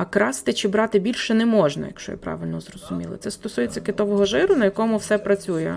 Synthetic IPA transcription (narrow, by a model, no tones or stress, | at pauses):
ɐkɾɑst̪ɪt͡ʃɪbɾɑt̪ɪbʲilʲʃɛnɛmɔʒnɐ̰jɐ̰kʃt͡ʃɔ̰jɪ̰pɾɑ̰ʋɪlʲnɔzrɔz̥ʊmʲilˠɪ̰t̪sɛst̪ɔsujet͡sʲːɐkɪt̪ɔʋɔɦɔʒɪɾʊnɐjɐkɔmʊwsɛpɾɐt͡sʲujɛ̰